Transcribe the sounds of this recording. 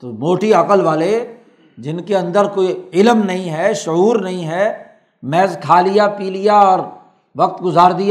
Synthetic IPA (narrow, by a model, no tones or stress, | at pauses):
t̪omoːʈiɐkəlʋaːle | d͡ʒɪnkeɐ̃nd̪əɾkoːiɪlmnɐɦĩɦɛʃʊɦuːɾnɐɦĩɦɛː | mɛːzkʰaːlijapiːlijaɔːɾ | ʋɐk̚t̪ɡʊzaːɾd̪ia